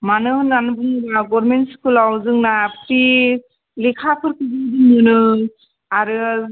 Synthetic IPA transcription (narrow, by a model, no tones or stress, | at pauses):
manɯhɯnanubɯŋbaɡɔɾmentskulawzɯŋnapti | likʰapʰɯɾkɯzidinɯnɯ | aɾɯ